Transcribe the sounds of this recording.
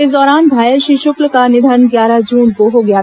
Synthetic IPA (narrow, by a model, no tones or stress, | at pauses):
ed̪ɔːɾaːnd̪ʱaːjəɾʃiʃʊklkanɪd̪ʱənɡjaːɾad͡ʒuːnkoɦoɡɐjaː